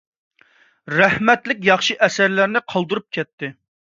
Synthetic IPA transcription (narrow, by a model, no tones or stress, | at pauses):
ɾɛhmɛt̪lɪk̬̚ʲjɑχʃiʔɛsæɾlæɾnɪqʰɑlˠd̪uɾup̚kʲʰɛt̪ʰːɪ